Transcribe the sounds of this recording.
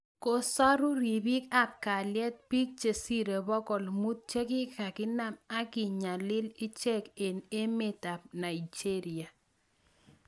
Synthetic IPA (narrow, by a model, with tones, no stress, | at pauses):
ko˨sa˦ɾʊ˦ɾi˨bi˦ka˦p̚ka˨ljɛ˦t̪̚pi˦k̚t͡ʃe˨si˦ɾe˨bɔ˦kɔ˨lmu˦t̪̚t͡ʃe˦kɪ˦ka˨kɪ˦na˨ma˦ɡɪ˨ɲa˨lɪ˦lɪ˦t͡ʃe˦ke˨ne˦me˦ta˨p̚na˨ɪ˨d͡ʒe˦ɾɪ˨a˨